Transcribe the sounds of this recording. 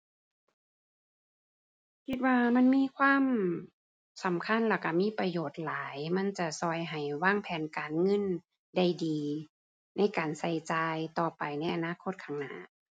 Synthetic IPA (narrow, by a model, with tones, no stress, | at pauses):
kʰi˧t̪̚waː˧ma˧˥˨nmiː˧˥˨kʰwaː˧˥˨m | sa˨˦mkʰa˧˥˨nla˧˩ka˧˩miː˧˥˨pa˧joː˨˩t̪̚laː˨˦jma˧˥˨nt͡ɕa˧˩sɔ˧˩jɦa˨˩jwaː˧˥˩ŋpʰɛː˨˦nkaː˨nŋɤ˧˥˨n | da˧˩jdiː˨˩ | na˧˥˨jkaː˨˩nsa˧˩jt͡ɕaː˧jt̪ɔː˧˩pa˨˩jna˧˥˩jʔa˨naː˧˥˨kʰo˧˥t̪̚kʰaː˧˩ŋna̰˧˥